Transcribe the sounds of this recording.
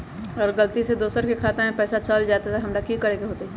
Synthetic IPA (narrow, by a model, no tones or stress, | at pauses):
ɔːɾɡɐlt̪ised̪oːsəɾkekʰaːt̪ãɦɛ̃pɛːsat͡ʃəld͡ʒaːt̪at̪aɦɐmɾakikɐɾeːɡeɦoːt̪eɦɛː